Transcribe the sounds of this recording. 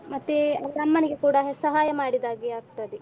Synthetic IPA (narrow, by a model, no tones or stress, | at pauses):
mɐt̪ːeɐʋɐnɐmːɐneɡekuːɽɐɦsɐɦaːjɐmaːɽid̪aːɡiaːɡ̚t̪ɐd̪e